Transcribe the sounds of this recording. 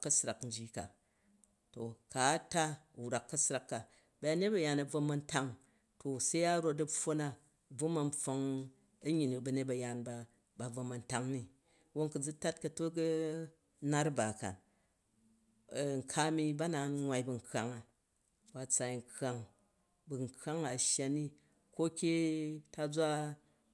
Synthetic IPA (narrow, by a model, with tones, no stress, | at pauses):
kːɐ˦sɾa˨kn̩˦d͡ʒi˦ka̰˨ | to˨ka˨˦ta˦u˨wɾa˨kːɐ˦sɾa˨kːa˨ | ba˨˦a˦ne˦t̚bɐ˨ja˨nɐ˨b͡vo˧mɐ˧nta˦ŋ | to˨se˦ja˦ɾo˦˧t̬ɐ˦fo˦na˦˨ | b͡vo˦mɐ˨n˦ɸo˧ŋ | ɐ˦ɲi˨n˨bɐ˧ne˦t̚bɐ˨˧ja˨nba˧ | ba˨b͡vo˧mɐ˨nta˦ŋni˦ | wo˦ŋkɨ˨d͡zu˦ta˦t̚kɐ˧to˦ɡɨ˦ | na˦ɾba˨ka̰˨ | ŋ̩˨kʰa˦mi˧ba˦na˨nŋʷa˧jbɐ˨ŋ̩kʰa˨ŋa˨ | ba˨t͡sa˨i˨ŋ̩˨kʰa˨ŋ | bu˨ŋ̩˨ka˦ŋa˨ʃja˧ni˦ | ko˦kʲe˦ta˧d͡za˦